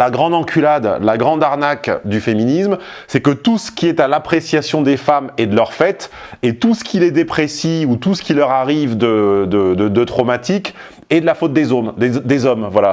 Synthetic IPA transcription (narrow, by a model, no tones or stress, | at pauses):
laɡʁɑ̃d̪ɑ̃kʲʰylad̪laɡʁɑ̃d̪aʁnakd̪yfeminism | sɛkət̪usə̥kʲiɛt̪alapχesjasjɔ̃d̪efamed̪əlœʁfɛt̪et̪usə̥kʲilɛd̪epχesiut̪usə̥kʲilœʁaʁivd̪əd̪əd̪əd̪ət̪χɔmat̪ik | ɛd̪əlafot̪̚d̪ezomd̪ed̪ezɔmvwala